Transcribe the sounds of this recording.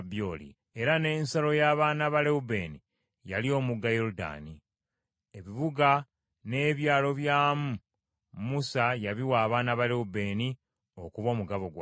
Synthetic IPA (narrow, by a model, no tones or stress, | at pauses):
bjolḭ | e̞ɾane̞ːnsalo̞jaːβaːnaβaleube̞ːni | ja̰lio̞ːmuɡajoɾuda̰ːni | e̞βiβuɡa | ne̞ːβjaːlo̞βjaːmu | musajaβiwaːβaːnaβale̞ube̞ːni | o̞kuβo̞ːmuɡaβo̞ɡwa